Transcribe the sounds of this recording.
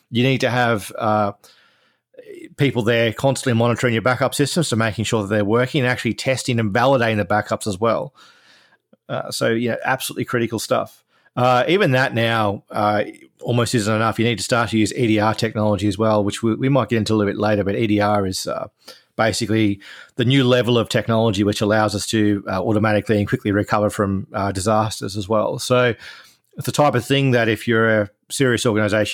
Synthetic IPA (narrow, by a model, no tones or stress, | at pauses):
jɨnid̚tɨːv̥ʌ | pʰipl̩ˠðə˞kʰɑ̃nstən̩ʔlimɑnətʰə˞ɪ̃ŋjə˞bækʌpsɪstə̃m̩z̥tʰəʊmeɪkɪ̃ŋʃʊɹðət̪̚ðə˞wɜ˞kɪ̃ŋɨ̃ñæk̚t͡ʃʉl̩ˠitʰɛstɪ̃ŋɨ̃nvælˠəɾeɪɾɪ̃ŋðɨbækʌpsəzwɛlˠ | ʌ̰soʊjɨnoʊʔæ̰b̥səlʉʔˡlikʰɹ̥ɪɾɨkl̩ˠstʌ̰f | ʌivɨ̃nðətⁿnaʊʌɔlˠmoʊstɪz̃n̩tɨnʌfjɨnid̚tʰɨ̥stɑɹtʰɨjʉziɾiɑɹtʰɛk̚nɑlˠəd͡ʒiɨzwɛlˠwɨt͡ʃwiwimaɪt̚ɡ̥ɛɾɪ̃ntʉəlɪɾˠbɪtˡleɪɾə˞bʌɾiɾiɑɹɪz̥ʌ̰ | b̥eɪsɨkliðɨnjʉlɛvl̩ˠʌv̥tʰɛk̚nɑlˠəd͡ʒiwɨt͡ʃəlaʊzʌstʰɨʌɔɾəmæɾɨkliɨ̃nkʰw̥ɪkʰliɹikʰʌvə˞fɹʌ̃mʌdɨzæstə̰˞zəzwɛ̰lˠsoʊ | ðɨtʰaɪpʌv̥θɪ̃ŋðɨɾɨfjə˞ɨ | sɪɹiɨsɔɹɡɨnɨzeɪʃ